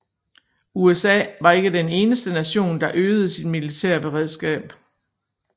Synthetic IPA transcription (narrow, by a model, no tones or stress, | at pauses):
uesɛ̰ːʋɑ̈e̝ɡ̥əd̥ene̝ːnəsd̥ənæɕo̝̰ːnd̥ɑ̈ʔøːð̩ˠəsid̥milit͡sʰæ̰ɐ̰b̥e̝ʁɛð̞ˠsɡ̥ɛ̰ːb̥